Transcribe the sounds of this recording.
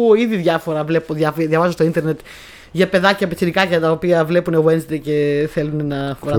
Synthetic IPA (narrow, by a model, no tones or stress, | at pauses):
uiðiðʝɐfo̞ɾɐvlepoðjɐfðjɐvɐzost̪oint̪e̞ɾne̞t̪ | ʝɐpe̞ðɐcɐpesinikɐcɐt̪ɐopiɐvle̞punewensd̪ece̞θe̞lunenɐfoɾɐ